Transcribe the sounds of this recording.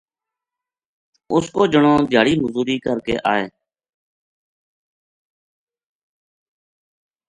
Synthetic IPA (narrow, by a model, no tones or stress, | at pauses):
ʊskoːd͡ʒəɳoːd̪ʱɪjaːɽiːməzuːɾiːkəɾkḛːʔaːeː